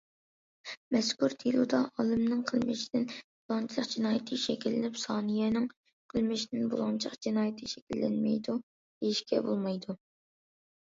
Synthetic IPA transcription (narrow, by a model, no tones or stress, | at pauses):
mɛskʲuɾt̪ʰilˠud̪ɑɑlˠɨmnɨŋqʰəlˠmɪ̰ʃid̪ɪnbulˠɑnt͡ʃʰlˠəqd͡ʒinɑːjɪt̪ʰɨʃɛkʲʰilːɪnɪpsɑːnɨjɛnɪŋ | qʰəlˠmɪʃid̪ɪnbolˠɑnt͡ʃʰqd͡ʒɪnɑːjt̪ʰɨʃɛkʲilːɛ̰nmɛ̰jd̪u | d̪̥ejiʃkʲɛ̰bolˠmɑjd̪u